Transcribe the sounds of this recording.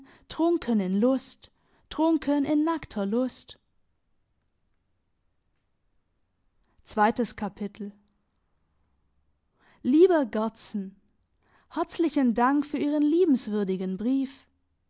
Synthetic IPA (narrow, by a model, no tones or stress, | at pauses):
tʁ̥ʊŋkʰənɪnlʊst | ʁ̥ʊŋkʰənɪnːaktʰɐlʊst | t͡sv̥aɪtəskʰapʰɪtʰl̩ | liːbɐɡɔt͡sn̩ | hɛɐt͡slɪçəndaŋkfyːɐʔiːʁənliːbm̩sv̥ʏɐdɪɡənbʁiːf